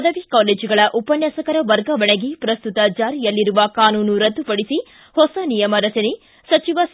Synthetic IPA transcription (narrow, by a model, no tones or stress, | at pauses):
d̪ɐʋikaːleːd͡ʒuɡɐɭɐʔupɐnjɐsɐkɐɾɐʋɐɾɡɐʋɐɳɐɡipɾɐst̪ut̪ɐd͡ʒaːɾijɐlːiɾuʋɐkaːnuːnuɾɐd̪ːupɐɽisi | hɔsɐnijɐmɐɾɐt͡ʃɐne | sɐt͡ʃiʋɐ